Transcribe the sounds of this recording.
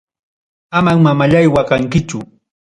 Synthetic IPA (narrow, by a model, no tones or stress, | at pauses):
amaŋmamaʎajwakaŋkɪt͡ʃʊ